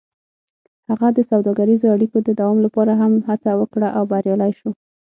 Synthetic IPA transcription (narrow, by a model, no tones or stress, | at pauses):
haɣad̪əsawd̪ɑɡaɾizoaɽikod̪əd̪awɑmlapɑɾaɦamhat͡sawəkɽaʔawbaɾjɑlajʃo